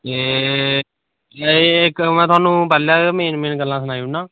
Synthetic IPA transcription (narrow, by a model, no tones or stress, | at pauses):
eː | ɪkmɛ̃ːt̪̬ʰʊaːnũːbəljaːmẽːnmẽːnɡəlːãːs̬ənaːjũːnãː